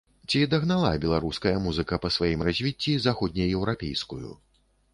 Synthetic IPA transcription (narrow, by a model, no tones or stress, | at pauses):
t͡sʲid̪ɐɣnalˠa̰bʲɛlˠaɾuskɐjɐmuzɨkɐpɐsvajimrazʲvʲit͡sʲːizaxɔd̪ʲnʲɐjɛwɾapʲḛjskujṵ